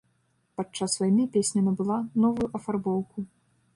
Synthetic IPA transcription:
pat͡ʂːasːvajimʲipʲesʲnʲɐmʲibɨlˠanɔvujuʔɐfarbɔwku

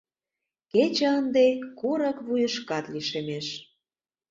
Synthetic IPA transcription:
ket͡ɕə̆ənd̪ekuɾə̆kβujə̆ʃkɑt̪liʃemeʃ

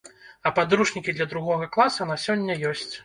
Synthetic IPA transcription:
ɐpad̪ɾuʂnʲikʲid̪lʲɐd̪ɾuɣɔɣɐklˠasɐnasʲɔnʲːɐjɔsʲt͡sʲ

